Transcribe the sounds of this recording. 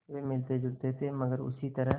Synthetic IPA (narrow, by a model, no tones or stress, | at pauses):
ʋemɪlt̪ed͡ʒʊɡt̪et̪ʰemɐɡəɾʊ̰sit̪ɐɾəɦ